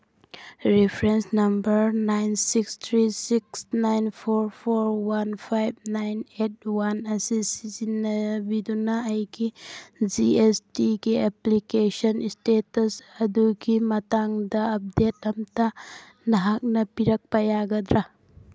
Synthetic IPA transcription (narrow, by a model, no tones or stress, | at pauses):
ɾipʰɾensnɐmbɐɾnajnsikst̪ʰɾisiksnajnpʰoɾpʰoɾwanpʰajb̚najnet̚wanɐsisizinɐbidunaːjɡid͡ʒiestiɡieplikesɔnistetɐsɐduɡimɐtaŋdɐːp̚det̚ɐmta | nɐɦak̚nɐpiɾɐk̚pajaɡɐd̪ɾa